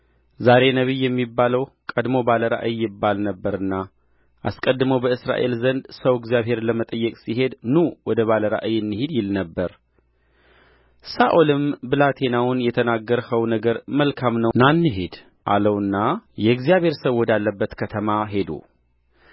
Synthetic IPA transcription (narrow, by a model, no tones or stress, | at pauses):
zaɾe̞nəβijːɛmːibːaləwkʼəd̪mo̞baləɾa̰ʔɨjːɪbːalnəbːəɾɨnːa | ʔaskʼəd̪ːɨməwbəɨsɾa̰ʔe̞lzənd̪səwɪɡzijaβhe̞ɾləmət̪ʼəjːɛkʼsiɦe̞d̪nuwɔd̪əβaləɾa̰ʔəjɨnːɨhed̪jɪlnəbːəɾ | saʔolɨmbɨlat̪ʰe̞nawʊnjɛt̪ʰənaɡːəɾhəwnəɡəɾməlkʰamnənanːɨɦed̪ | ʔa̰ləwɨnːajɛɡzijaβhe̞ɾsəβwɔd̪alːəbːət̪kʰət̪ʰəmaɦe̞d̪ṵ